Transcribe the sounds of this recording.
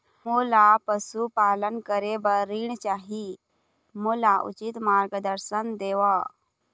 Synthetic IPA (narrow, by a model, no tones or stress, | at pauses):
molapəsupalənkəɾebəɾiːɳt͡ʃaɦi | mulaʔṵt͡ɕit̪maɾɡəd̪əɾsənd̪eʋa